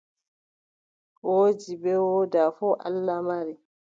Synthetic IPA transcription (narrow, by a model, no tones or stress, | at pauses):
wod͡ʒibɛwɔdafɔʔa̰lːamaɾi